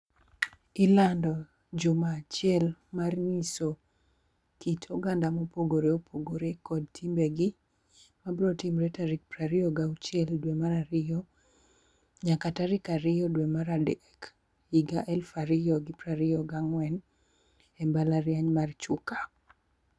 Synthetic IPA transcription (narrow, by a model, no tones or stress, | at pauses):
ɪlandɔ | d͡ʒomaːt͡ʃɪɛlmarniso | kitʰoɡandamopoɡoɾeopʰoɡoɾekɔd̚tʰimbeɡi | mabɾɔtimɾɛtaɾik̚pɾaɾɪɔɡaut͡ʃɪɛldwemaɾaɾɪjɔ | ɲakataɾɪkaɾɪjɔdwemaɾadɛɛk | iɡaʔɛlfaɾɪjɔɡɪpɾaɾɪjɔɡaŋwɛn | ɛmbalaɾjaɲmart͡ʃʊkḁ